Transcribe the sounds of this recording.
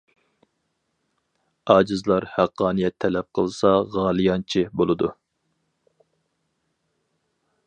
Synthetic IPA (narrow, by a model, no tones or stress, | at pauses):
ɑːd͡ʒɨzlˠɑɾhæqʰːɑːnijɛt̪ʰːɛlɛp̚qʰəlˠsɑʁɑːlˠɨjɑnt͡ʃʰibolˠɨd̪u